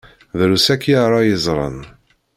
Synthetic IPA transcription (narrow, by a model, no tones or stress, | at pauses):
ðɾusækːjaɾˤɑjəzˤɾˤə̰n